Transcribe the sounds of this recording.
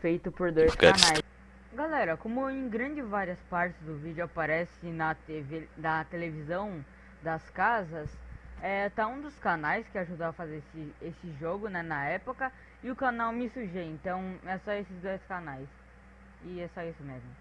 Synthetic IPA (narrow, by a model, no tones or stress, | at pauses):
fejt̪ʊpoɾd̪ojssknajs | ɡalɛɾɐkõmʊẽj̃ɡɾɐ̃d͡ʒɪvaɾiɐspaɾt͡ʃɪzd̪ʊvid͡ʒʊapaɾɛsɪnɐt̪evenɐt̪elevizɐ̃w̃ | d̪ɐskazɐsɛt̪aũd̪ʊskanajskɪaʒud̪aɐfazeɾesɪesɪʒoɡʊnɛnɐɛpokɐ | ɪʊkanawmɪsuʒeẽnt̪ɐ̃w̃ɛsɔesɪzd̪ojskanajs | ɪɛsɔisʊmezmʊ